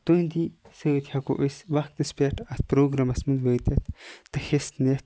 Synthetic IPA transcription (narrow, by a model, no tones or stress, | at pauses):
t̪õnd̪isəːt̪ʰjako̰ʔusʋɐxkt̪ɨspʲeʈɐt̪pɾoːɡɾɐmɐsmɨnd̪ʋəːt̪ɐt̪t̪ːɐxest̪net̪